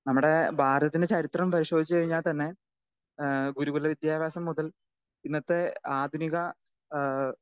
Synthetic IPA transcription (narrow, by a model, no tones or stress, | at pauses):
nɐmːuɽe̞bʱaːɾd̪ɐt̪ːinde̞t͡ɕɐɾit̪rɐmpɐɾiɕo̞ːd̪ʱit͡ɕːɨkɐɻiɲːaːɭt̪ɐnːe̞ | ɡuɾuɣulːɐʋid̪jaːʋʱjaːsɐmːuðɐl | inːɐt̪ːeaːd̪ʱuniɣɐ